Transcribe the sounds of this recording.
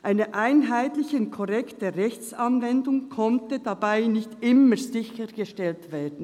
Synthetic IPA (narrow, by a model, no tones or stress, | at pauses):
ʔaɪnəʔaɪnɦaɪtlɪçəʊnt̚kʰɔʁɛktdəʁɛçt͡sɑnvɛndʊŋkʰɔntəd̥abaɪnɪçtʔɪməzɪçəɡ̥əʃtɛltv̥eːɐdn̩